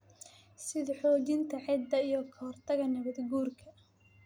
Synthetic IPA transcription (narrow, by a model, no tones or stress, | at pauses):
sɪðħɔːt͡ʃɪnt̪ʰɐʕɪd̪ɐijɔkʰɐhɔrt̪ʰɐɣɐnɐβɐd̪ɡuːrkʰɐ